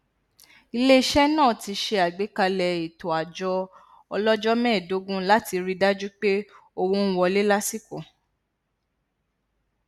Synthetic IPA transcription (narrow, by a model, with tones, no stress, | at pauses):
i˧le˦ʃɛ˦nãː˦˨ti˧ʃe˧a˨ɡ͡be˨˦ka˧lɛ˨i˨to˨a˨d͡ʒɔ˧˦ | ɔ˧lɔ˦d͡ʒɔ˦mɛ̃ː˦˨do˨˦ɡũ˦la˦ti˧ɾi˧da˦d͡ʒu˦k͡pe˦ | o˧wõ˦n̩˦wɔ˧le˦la˦si˦˨kõ˨